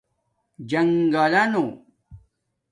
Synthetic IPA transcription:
d͡ʑɐŋɡalano

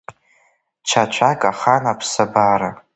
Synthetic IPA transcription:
t͡ʃʰat͡ʃʷʰakʼaχanapʰsabaːɾa

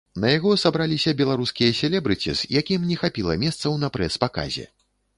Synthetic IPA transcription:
nɐjaɣɔsabɾalʲisʲɐbʲɛlˠaɾuskʲijɐsʲɛlʲɛbɾɨt͡sʲḭz̥jakʲimnʲɛxapʲilˠɐ̰mʲɛst̪sɐwnɐpɾɛspaka̰zʲɛ̰

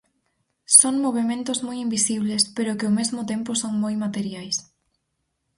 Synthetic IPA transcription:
soŋmoβ̞emẽnt̪ʊzmojimbisiβ̞lespeɾʊkɪomezmʊt̪ẽmpʊsoŋmojmat̪eɾjajs

